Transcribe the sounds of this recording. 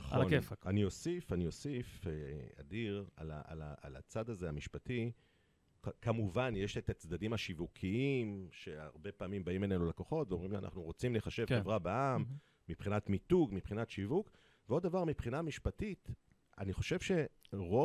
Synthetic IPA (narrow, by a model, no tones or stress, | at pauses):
χonefanio̞sifaniosifea̰diʁa̰la̰a̰laala̰t͡sad̪azeamiʃpati | kkamuvanjeʃet̪at͡sd̪adimaʃivukʰiimʃe̞aʁbe̞paːmimbaimbe̞nenulako̞χo̞tveo̞mʁimʃia̰nʔa̰χnuʁot͡simleχaʃe̞vevʁabaamː | ipχinatmituɡmipχinatʃivuk | veo̞d̪avaʁmipχinamiʃpatit | a̰niχo̞ʃe̞v̥ʃe̞ʁo